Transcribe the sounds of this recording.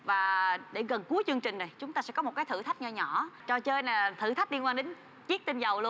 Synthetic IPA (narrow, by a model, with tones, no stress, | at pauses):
vaː˨˩ɗe˧˩ɣə˨˩nku˨˦əjt͡ɕɨ˧əŋt͡ɕï˨˩ŋ̟na˨˩jt͡ɕʊ˨˦ŋ͡mt̪aː˧sɛ̰˧˥kɔ˨˦m˨˩t̚kaː˨˦t̪ɨ̰˧˩t̪ʰa˦˥k̚ɲə˧ɲɔ˧˩˨t͡ɕɔ˧t͡ɕəː˧jnaː˨˩t̪ʰɨ̰˧˩t̪ʰa˦˥k̚li˧əŋkwaː˧nɗe˨˦n | t͡ɕi˦˥k̚t̪i˧nzə˨˩wlu˧